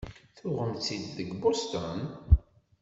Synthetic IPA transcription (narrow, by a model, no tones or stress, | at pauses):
θʊʁəmt͡sːid̪ðəɡbʊst̪ɔn